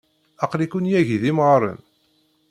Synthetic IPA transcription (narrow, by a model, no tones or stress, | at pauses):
ɑqlikunjæʝðimʁɾˤə̰n